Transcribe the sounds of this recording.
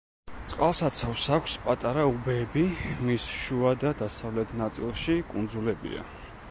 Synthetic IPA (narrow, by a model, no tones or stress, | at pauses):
t̪sʼqʼalˠsat̪sʰafsakʷʰspʼat̪ʼaɾaubɛːbimisʃuad̪ad̪asavlɛt̪ʰnat̪sʼilˠʃikʼund̪zulɛbḭa̰